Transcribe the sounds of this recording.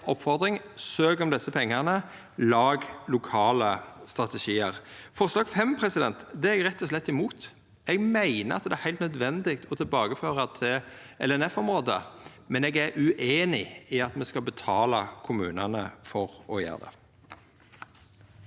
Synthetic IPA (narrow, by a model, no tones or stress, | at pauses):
ɔpːfɔʁd̪ʁɪŋsøːɡɔmd̪ɛsːəpʰɛŋːɑʁnə | lɑːɡlʊkʰɑːləst̪ʁɑt̪ɛʃiːəʁfɔʁslɑːɡfɛmpʰʁɛsɪd̪ɛnt̪d̪ɛɛɡʁɛt̪ːɔslɛt̪ːɪmuːt̪ | ɛɡmæɪnə̰ɑt̪̚d̪ɛæʁhæɪlt̪nœd̪ʋɛnd̪ɪk̚t̪ʰɔt̪ʰɪlbɑːɡəføːʁət̪ʰɪ | ɛ̰lɛnɛfɔmʁoːd̪ə̰ | mɛneːɡæɾʉʔeːnɪɪɑt̪mɛskɑbət̪ʰɑːlɑkʰʊmʉːnənəfɔʁɔjø̰ːʁd̪ɛ̰